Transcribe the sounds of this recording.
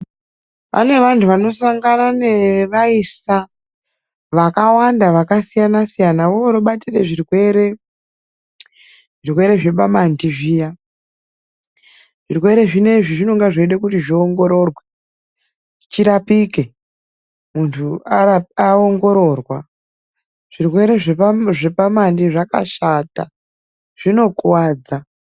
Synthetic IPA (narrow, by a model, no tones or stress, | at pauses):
pa̰ne̞ʋantʰuʋano̞saŋɡananeʋaisa | ʋakawandaʋakasijanasijanawooɾoɓatire̞ʐirweɾe | ʐirwe̞ɾe̞ʐe̞ɓamandiʐiːja | ʐ̥irwe̞ɾe̞ʐine̞ʐiʐino̞ŋɡaʐeiɗekutiʐioŋɡo̞ɾo̞rwe | ʐit͡ʃiɾapike̞ | muntʰuaaoŋɡo̞ɾo̞rwa | ʐ̥irwe̞ɾe̞ʐʐe̞pamandiʐaka̰ʃata̰ | ʐ̥ino̞kwaːd͡za